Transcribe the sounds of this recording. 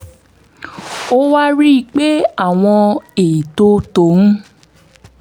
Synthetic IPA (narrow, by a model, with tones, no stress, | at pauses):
o˦wa˦ɾi˦i˧˦k͡pe˦a˦˨w̃ɔ̃˧e˨i˨to˧to˨˦n̩˦